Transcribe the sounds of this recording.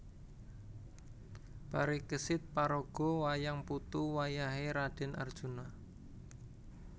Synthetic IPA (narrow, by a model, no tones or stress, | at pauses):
b̥aɾikəsɪt̪̚paɾoɡ̥ɔ̤wajaŋput̪uwajaɦeɾad̥ɛ̤nʔa̰rd̥ʒ̥una